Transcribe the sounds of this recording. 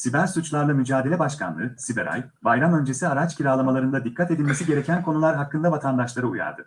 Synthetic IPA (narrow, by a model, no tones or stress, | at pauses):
sibæɾsut͡ʃlˠaɾlˠamyd͡ʒaːd̪elʲɛbaʃkʰanlˠɯ̰sibeɾa̰j | bajɾamø̞nd͡ʒe̞siaɾat͡ʃcʰiɾaːlˠamalˠaɾɯnd̪ad̪ikʰːat̪e̞d̪ilʲme̞siɟe̞ɾe̞cʰænkʰo̞nulˠaɾɦakːɯnd̪avat̪ʰand̪aʃlˠaɾɯuja̰ɾd̪ɯ